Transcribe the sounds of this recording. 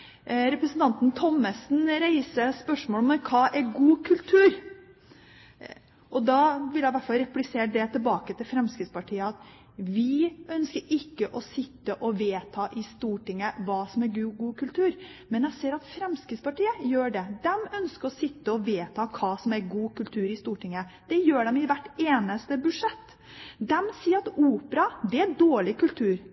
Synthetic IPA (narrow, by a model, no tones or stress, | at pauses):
ɾɛpɾəsənt̪ʰɑnt̪nt̪ʰɔmːəsnɾæɪsəspœʂmoːlɔmɛkʰɑːʔæɾɡuːkʰʉlt̪ʰʉːɾ | ʔɔd̪ɑːʋɪljæɪʋæʈfɑlɾɛplɪseːɾd̪ɛt̪ʰɪlbɑːkət̪ʰɪlfɾɛmskɾəspɑʈʰiːəɑt̪ | ʋɪʔœnskəɾɪkːəʔɔsɪt̪ːəʔɔʋeːt̪ʰɑːʔɪst̪uːʈɪŋːəʋɑːsɔmæɾɡɡuːkʰʉlt̪ʰʉːɾ | mɛnjæɪseːɾɑt̪fɾɛmskɪspɑʈiːəjøːɖɛd̪ɛmœnskəɾɔsɪt̪ːəɔʋeːt̪ʰɑːkʰɑːsɔmæɾɡuːkʉlt̪ʰʉːɾɪst̪uːʈɪŋːə | d̪̥ɛjøːɖɛmɪʋæʈːeːnəst̪əbʉʂɛt̪ː | d̪ɛmsiːəɾɑt̪uːpəɾɑd̪ɛæd̪oːɭɪkʉlt̪ʰʉːɾ